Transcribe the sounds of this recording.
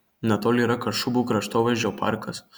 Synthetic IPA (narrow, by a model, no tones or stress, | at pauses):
nʲɛt̪oːlʲiːɾɐkɐʃʊbuːkɾɐʃt̪oːʋʲɐd͡ʒʲopɑ̰ɾkɐs